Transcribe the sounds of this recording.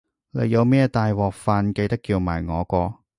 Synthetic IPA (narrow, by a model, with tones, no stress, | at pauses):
lḛ˨˧jɐ˨˧wmɛː˥t̪aː˨jwɔː˨k̚faː˨nke˧jt̪ɐ˥kːiː˧wma̰ː˨˩jŋɔː˨˧kɔː˧